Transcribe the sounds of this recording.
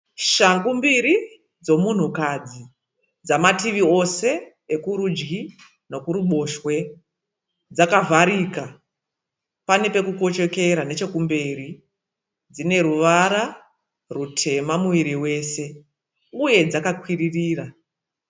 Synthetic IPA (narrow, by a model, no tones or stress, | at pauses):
ʃaŋɡumbiɾi | d͡zo̞mun̤ukad͡zi | d͡zamatiʋio̞se̞ | ekuɾud͡ʒɡi | no̞kuɾuɓo̞ʃwe̞ | d͡zakavʱaɾika | pane̞pe̞kuko̞t͡ʃe̞ke̞ɾane̞t͡ʃe̞kumbeɾi | d͡zine̞ɾuʋaɾa | rutʰe̞mamuiɾiwe̞ːse̞ | uje̞d͡zakakwiririːra